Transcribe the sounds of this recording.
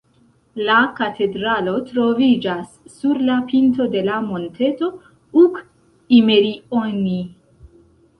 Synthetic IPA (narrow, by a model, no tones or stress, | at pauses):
lakatʰe̞dɾalo̞tɾo̞vid͡ʒasːuɾlapinto̞de̞lamo̞ntʰe̞to̞ | uk | ime̞ɾioni